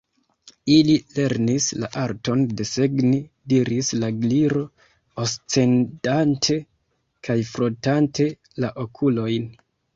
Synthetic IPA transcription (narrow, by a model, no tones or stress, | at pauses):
ilile̞ɾnisla̰ʔaɾto̞nde̞seɡni | diɾislaɡliɾo̞ | ost͡se̞ndantʰe̞ | kajfɾotantʰe̞ | laʔo̞kʰulo̞jn